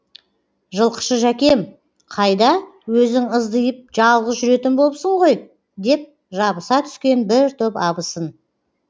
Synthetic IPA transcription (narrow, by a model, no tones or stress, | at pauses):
ʒəlˠqʰə̥ʃəʒækʲe̞m | qʰɑjd̪ɑwɵzɪŋəzd̪əjəp̚ʒɑlˠʁəzʒʏɾe̞t̪ɪnboəpsəɴʁo̞j | d̪e̞p̚ | ʒɑbəsɑt̪ʰʏ̥skʲe̞nbɪɾt̪ʰʏpɑbəsən